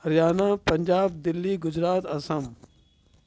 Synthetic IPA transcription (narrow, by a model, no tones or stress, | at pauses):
ɐɾjaːnaːpɐɲʲd͡ʒaːb̚d̪ɪlːiːɡʊd͡ʒɾaːt̪ɐsɐm